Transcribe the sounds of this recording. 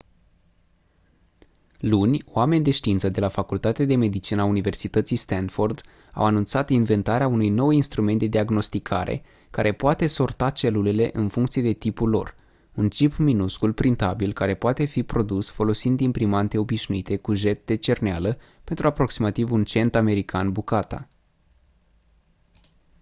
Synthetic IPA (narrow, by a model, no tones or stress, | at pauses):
lunʲoame̞nʲd̪e̞ʃt̪iint̪səd̪e̞lafakult̪at̪ead̪e̞me̞d̪it͡ʃinaːunive̞rsit̪ət̪sijst̪anford̪ | a̰wanunt̪sat̪inve̞nt̪aɾeaunujno̞winst̪ɾume̞nt̪̚d̪e̞d̪iaɡno̞st̪ikʰaɾḛ | kaɾe̞poat̪e̞so̞rt̪at͡ʃe̞lulele̞ʔɨnfuŋkt̪sije̞d̪e̞t̪ipulo̞̰r | unt͡ʃipminuskulpɾint̪abilkaɾe̞poat̪e̞fipɾo̞d̪usfo̞lo̞sind̪impɾimant̪e̞o̞biʃnuit̪e̞kuʒe̞t̪̚d̪e̞t͡ʃe̞rnealə | pe̞nt̪ɾuapɾo̞ksimat̪ivunt͡ʃe̞nt̪ame̞ɾikʰanbukat̪a̰